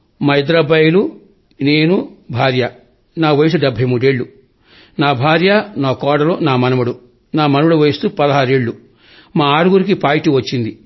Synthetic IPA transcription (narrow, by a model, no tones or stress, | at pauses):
mɐjd̪ɾɐbɐjulu | neːnubʱaːɾjɐ | naːʋɐjus̬ɐɖɛbʱːɐjmuːɽeɭːu | naːbʱaːɾjanaːkɔːɽɐloːnaːmɐnɐmuɽu | naːmɐnɐmuɽuʋejist̪upɐd̪ɐɦaːɾeɭːu | maːaːɾuɡuɾik̬ipaːjʈiʋɐt͡ʃːind̪i